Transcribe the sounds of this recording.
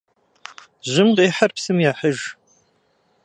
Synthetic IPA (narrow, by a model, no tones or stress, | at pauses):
ʑɪmqeːħɐrpsɨmjaːħəʒ